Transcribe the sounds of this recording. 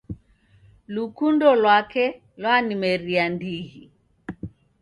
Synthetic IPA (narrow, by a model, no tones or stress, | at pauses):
lukundɔlwakɛ | lwanimɛɾiandiɣi